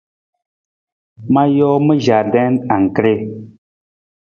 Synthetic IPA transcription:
ma˦jɔː˦mə˦ʒa˨dɛ˦na˨ŋ˨kɾe˦

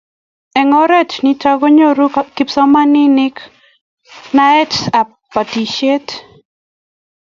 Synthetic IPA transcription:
ɛ˨ŋɔ˦ɾɛ˦tni˦ta˦ɡo˦ɲo˦ɾu˦kɪ˨psɔ˦ma˦nɪ˦nɪ˦k | na˦ɛ˦ta˨ | pːa˨ti˨ʃe˦t

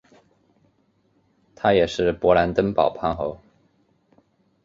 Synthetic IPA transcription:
t̪ʰa˥jɛ˨˩ʂɻ̩˥˩pwɔ˧˥la˧˥nt̪ə˥npɑ˨˩ʊpʰa˥˩xo˧˥ʊ

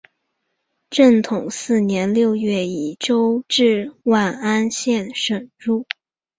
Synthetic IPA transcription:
ʈ͡ʂə˥˩ŋt̪ʰʊ˨˩ŋsɹ̩˥˩njɛ˧˥nljo˥˧ʊɥɛ˥˩i˨˩ʈ͡ʂo˥ʊʈ͡ʂɻ̩˥˧wa˥˩na˥nɕjɛ˥˩nʂə˨˩nɻu˥˩

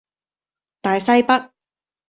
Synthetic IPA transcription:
t̪aː˨jsɐ˥jpɐ˥t̚

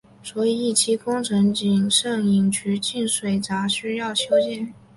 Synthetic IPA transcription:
swɔ˧˥i˨˩i˥˩t͡ɕʰi˥kʊ˥ŋʈ͡ʂʰɤ˧˥ŋt͡ɕi˨˩ŋʂɤ˥˩ŋi˨˩ŋt͡ɕʰy˧˥t͡ɕi˥˩nʂwe˨˩ɪt͡sa˧˥ɕy˥jɑ˥˩ʊɕjo˥ʊt͡ɕjɛ˥˩n

